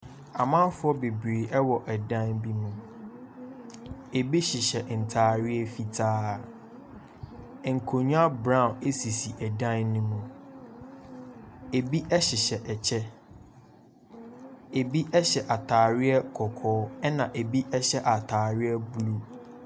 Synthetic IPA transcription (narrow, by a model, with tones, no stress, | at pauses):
a˨mã˦fʊ˦ɔ˦be˨bɾeː˨ʔɛ˦wɔ˨ʔɛ˨dã˦nbi˦mũ˨ | e˨bi˦ɕɪ˨ɕɛ˨n̩˨tʰaː˨ɾɪ˦ɛ˦fi˨tʰaː˦˨ | ŋ̩˨kʰo˨ɲũ˦a˦bɾã˦˨e˦si˨si˨ʔɛ˨dã˦nːũ˦mũ˨ | e˨bi˦ʔɛ˦ɕɪ˨ɕɛ˨ʔɛ˨t͡ɕʰɛ˦ | e˨bi˦ʔɛ˦ɕɛ˨ʔa˨tʰaː˨ɾɪ˦ɛ˦kʰɔ˨kʰɔː˦ɛ˦nã˨ʔe˨bi˦ʔɛ˦ɕɛ˦ʔa˨tʰaː˨ɾɪ˦ɛ˦bu˨lu˦